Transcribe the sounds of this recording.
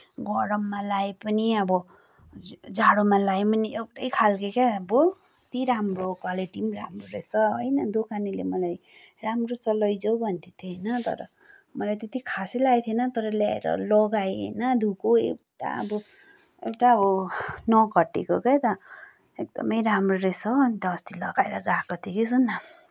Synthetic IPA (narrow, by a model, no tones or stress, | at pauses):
ɡʌɽʌmːalaepʌniʌbʌ | d͡zaɽomalaepʌniewʈʌjkʰalkekaʌbo | t̪iɾamrokwaleʈimɾa̰mroɾḛsʌɦʌjnʌd̪okanilḛmʌlaj | ramrosʌlʌjd͡zʌwbʱʌnt̪ʰit̪ʰjonʌt̪ʌ̰ɾʌ̰ | mʌlajt̪et̪ikʰasilajt̪ʰijenʌt̪ʌɾʌljaḛɾʌ̰lʌɡajḛnʌd̪ʱukoḛwʈa̰ʌ̰bʌ | ḛwʈaʌbʌnʌɡʌʈːḛkokejt̪ʌ | ek̚d̪ʌ̰mʌjɾamroɾesʌʌnt̪ʌst̪ilʌɡaḛɾʌɡakot̪ʰikisunːa